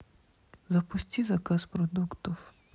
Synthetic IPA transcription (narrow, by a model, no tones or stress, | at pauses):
zɐpʊsʲtʲizɐkaspɾɔd̪ukt̪ɔw